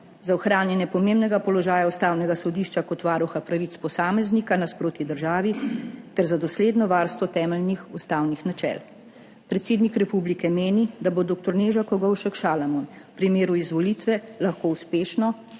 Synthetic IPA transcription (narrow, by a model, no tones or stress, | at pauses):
zaɔxɾaːnjɛnjɛpɔmeːmbnɛɡapɔlɔʒaːjaust̪aːwnɛɡasɔd̪iːʃt͡ʃakɔt̪ʋaːɾuxapɾaʋit̪spɔsaːmɛznikanaspɾoːt̪id̪əɾʒaːʋit̪ɛɾzad̪ɔsleːd̪nɔʋaːɾst̪ʋɔt̪ɛːmɛlnixust̪awnixnat͡ʃɛ̰l | pɾɛt̪seːd̪nikɾɛpublikɛmeːnid̪abod̪ok̚t̪ɔɾneːʒakɔɡɔwʃɛkʃaːlamun | pɾimeːɾuizʋɔlit̪ʋɛlaxkoːuspeːʃnɔ